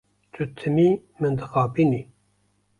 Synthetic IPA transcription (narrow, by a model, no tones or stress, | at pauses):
t͡ʃʰut̪ʰɨmiːmɨnd̪ɨxɑːbiːni